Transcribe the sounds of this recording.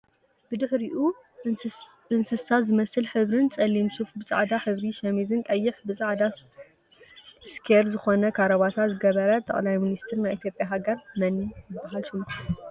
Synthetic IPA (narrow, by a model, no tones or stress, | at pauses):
bɨd̪ɨħɾiʔu | ɨnsɨsazɨmɐsɨlħɨβɾɨnt͡sʼɐlːimsufbɨt͡sʼa̰ʕd̪aħɨβɾiʃɐmizɨnkʼɐjːɪħbɨsʼaʕd̪a | skʰeɾzɨxo̞nɐkʰaɾɐβat̪ʰat̪zɨɡɐβɐɾɐt̪ʰʼːɐ̰χʼlajminist̪ʰɨɾnajʔit̪ʰjo̞pʼjaɦaɡɐɾmɐnːijɨbːaɦalʃɨlː